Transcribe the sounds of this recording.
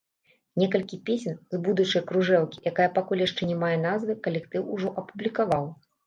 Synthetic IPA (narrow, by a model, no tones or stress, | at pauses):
nʲɛkɐlʲkʲipʲesʲɛnzbud̪ut͡ʂɐjkɾuʐɛwkʲi̥jakajɐpakulʲjaʂt͡ʂɛnʲɛmajɛn̪azvɨkɐlʲɛkt̪ɨwuʐɔʔɐpublʲikavaw